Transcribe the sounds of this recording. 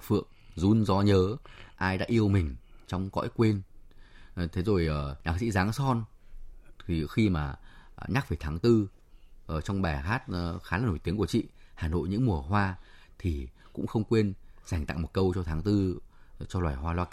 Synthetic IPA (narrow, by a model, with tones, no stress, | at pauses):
fɨ̰˧˨əŋ | zu˨˧˦nzɔ˨˦ɲəː˨˦ʔaː˧jɗa̰ː˧˥ʔi˧əwmï˨˩ŋ̟t͡ɕɔ˧wŋ͡mkɔ̰˧˥jkwe˧n˨˩ | t̪ʰe˨˦zo˨˩jʔəː˨˩ɲaː˧˩k̚sḭ˧˥zaː˨˦ŋsɔ˧n | t̪ʰi˨˩xi˧maː˨˩ɲaː˦˥k̚ve˨˩t̪ʰaː˨˦ŋt̪ɨ˧ | ʔə˨˩t͡ɕɔ˧wŋ͡mɓɛ˨˩ɦaː˦˥t̚ːxaː˨˦laː˨˩no˧˩t̪i˨˦əku˧˩ət͡ɕḭ˧˨haː˨˩no̰˧˨jɲɨ̰˧˥ŋmu˨˩əɦwaː˧t̪ʰi˨˩ | kʊ̰˧˥ŋ͡mxə˧wŋ͡mkwe˧nza˨˩jŋ̟t̪a̰˧˨ŋmo˨˩t̚kə˧wt͡ɕɔ˧t̪ʰaː˨˦ŋt̪ɨ˧t͡ɕɔ˧lwaː˨˩jɦwaː˧lwaː˧k